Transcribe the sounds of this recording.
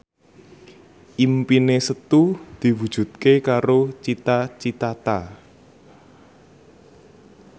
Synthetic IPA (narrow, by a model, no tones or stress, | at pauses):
ʔimpinesət̪ud̪̥i̤wud̥ʒ̥ṳt̪̚kekaɾot͡ʃit̪at͡ʃit̪at̪a